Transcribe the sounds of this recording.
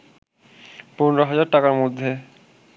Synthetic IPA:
ponɾoɦad͡ʑaɾʈakaɾmod̪ʱːe

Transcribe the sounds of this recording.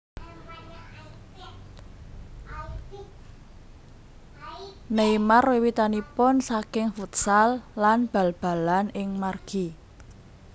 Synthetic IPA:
neimarwewit̪anipʊnsakɪŋfut̪̚salːanb̥a̤lb̥a̤lanɪŋmarɡ̥i

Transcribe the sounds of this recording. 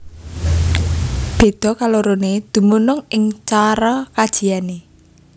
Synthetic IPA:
b̥e̤d̪̥ɔ̤kaloɾoned̪̥ṳmunʊŋɪŋt͡ʃaɾɔkad̥ʒ̥i̤jane

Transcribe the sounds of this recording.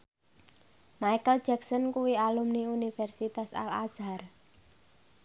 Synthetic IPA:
majkəld̥d͡ʒ̥ɛksɔnkuwialumniunifɛrsit̪asa̰la̰zar

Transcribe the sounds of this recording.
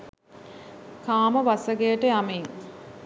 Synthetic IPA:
kaːməʋasəɡejəʈəjamiŋ

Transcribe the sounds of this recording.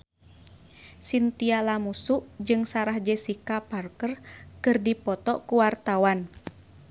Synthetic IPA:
sint̪ialamusuʔd͡ʒɨŋsaɾahd͡ʒɛsikaparkərkɨrdipɔt̪ɔkuwart̪awan

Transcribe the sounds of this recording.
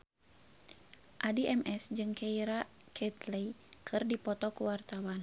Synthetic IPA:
ʔadiʔɛmʔɛsd͡ʒɨŋkʰɛiɾakʰɛt̪lɛikʰɨrdipɔt̪ɔkuwart̪awan

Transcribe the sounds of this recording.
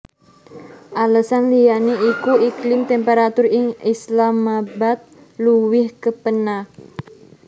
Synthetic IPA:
ʔaləsanlijaniikuiklɪmt̪ɛmpeɾat̪ʊrɪŋislamabat̪̚ | luwɪhkəpənah

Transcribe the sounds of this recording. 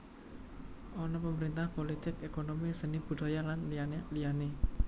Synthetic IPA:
ʔɔnɔpəməɾint̪ahpolit̪ɪkekonomisənib̥ṳd̪̥a̤jalanlijanelijane

